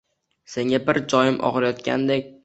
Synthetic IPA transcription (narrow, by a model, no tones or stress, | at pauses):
se̞ŋʲabɪɾd͡ʒɒjɪmʔɒ̰ʁɨɾajɒt̪̚kʲʰa̰nd̪ekʲ